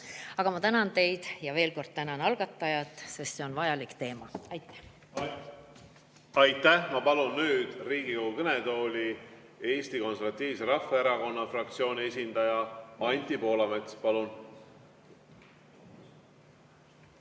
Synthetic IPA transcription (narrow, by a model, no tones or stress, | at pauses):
ɑɡ̥ɑmɑt̪ænɑnt̪e̞jd̪̥jɑve̞ːlko̞rd̪̥̚t̪ænɑnɑlɡ̥ɑt̪ːˑɑjɑt̪ːˑse̞st̪se̞onvɑjɑlikt̪e̞ːmɑɑjt̪ːæ̥ | ɑjt̪ːæhmɑpɑlunːyːd̪̥riːɡ̥ikoɡukɤnet̪o̞ːlʲi | e̞ːst̪iko̞nseɾvɑt̪ʲːˑiːvse̞ɾɑfːeeɾɑko̞nːɑfrɑk̚t̪sio̞ːnʲie̞s̬ʲind̪ɑjɑɑnʲt̪ipo̞ːlɑmet̪spɑlun